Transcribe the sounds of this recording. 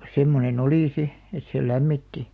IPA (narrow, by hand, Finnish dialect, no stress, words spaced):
semːonen oliˑ si et seˑ læmːitːi